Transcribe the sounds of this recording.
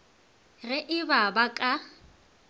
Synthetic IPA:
ɣɪʔɪbabakʼa

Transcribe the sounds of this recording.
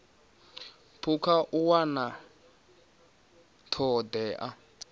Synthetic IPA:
pʰukʰaʔuwana | tʰɔdɛːʔa

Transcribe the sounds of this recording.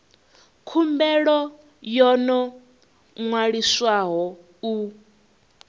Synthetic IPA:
kʰumbɛɺɔ | jɔnɔ | ŋwaɺiswaɦɔ | u

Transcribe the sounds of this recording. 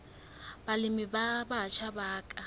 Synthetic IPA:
b̥alɪmɪbabat͡ʃʰabaːkʼa

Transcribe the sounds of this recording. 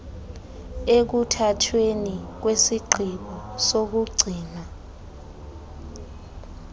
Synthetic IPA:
ek̬utʰatʰwenik̬wesiɡ͡ǃʱiɓɔsok̬uɡ͡ǀʱiːna

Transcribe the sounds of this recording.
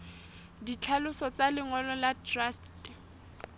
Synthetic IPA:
dit͡ɬʰalʊsɔt͡salɪŋɔlɔladrast

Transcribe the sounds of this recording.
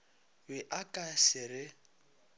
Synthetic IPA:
bɪʔakʼasɪɾɪ

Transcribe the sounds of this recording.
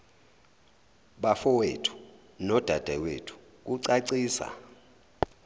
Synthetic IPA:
ɓafɔwetʰu̥ | nɔd̥ʱad̥ʱɛwetʰu̥ | k̬uǀaǀiːsa̰

